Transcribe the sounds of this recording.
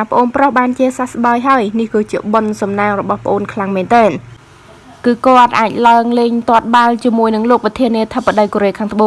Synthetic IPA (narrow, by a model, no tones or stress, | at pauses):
aːpə̆ʔoːnprohɓaːnt͡ɕiəsasɓaəjɦaəjnihkɨːt͡ɕiəɓonsɑmnaːŋrɔɓɑhpə̆ʔoːnkʰlaŋmɛːnt̪ɛːn | kɨːkŏət̪̚ʔaːc̚laəŋleːɲt̪ŏət̪̚ɓalt͡ɕiəmuəjnɨŋloːk̚prɑt̪ʰiəniət̪ʰəpːaɗəjkoːɾeːkʰaːŋt̪ʰəɓoː